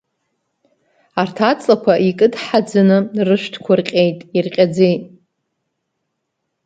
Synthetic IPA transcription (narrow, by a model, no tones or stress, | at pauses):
artʰat͡sʼlakʷʰaʔikʼɨdħad͡zanɨrɨʃʷtʰkʷʰʊrqʲʼe̞jtʼirqʲʼad͡zejtʼ